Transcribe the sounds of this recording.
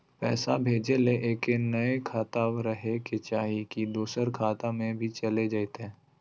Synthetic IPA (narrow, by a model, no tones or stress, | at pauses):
pɛ̰ːsabʱeːd͡ʒeleʔeːkenɐekʰaːt̪aːwɾəɦeket͡ʃaːɦikid̪uːsəɾkʰaːt̪ãmẽbʱit͡ʃɐled͡ʒaːet̪ɛ̃ː